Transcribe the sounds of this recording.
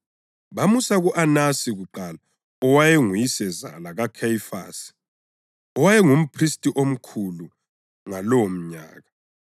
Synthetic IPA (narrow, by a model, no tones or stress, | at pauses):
βamusaɣuʔanasiɣuǃala | ɔwajɛŋujisɛza̰laɣakʰajifa̰ːsi̥ | ɔwajɛŋum̩pʰristʼiʔom̩kʰulu | ŋalowom̩ɲa̰ːɣa